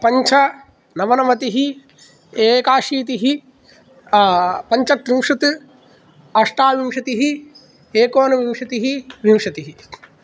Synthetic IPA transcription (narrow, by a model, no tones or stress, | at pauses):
pɐɲt͡ʃʰɐ | nɐʋɐnɐmɐt̪iɦi | eːkaːʃiːt̪iɦi | pɐɲt͡ʃɐt̪ɾimʂɐt̪ɨ | ɐʂʈaːʋimʂɐt̪iɦi | eːkoːnɐʋimʂɐt̪iɦiʋimʂɐt̪iɦi